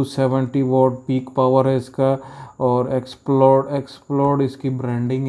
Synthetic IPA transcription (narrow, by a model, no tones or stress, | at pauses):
useʋə̃ɳʈiʋɔːʈpiːkpaːʋəɾɦɛɪskaɔːɾeksplɔːɖeksplɔːɾɖɪskibɾɛ̃ːɳɖɪ̃ŋɡɦ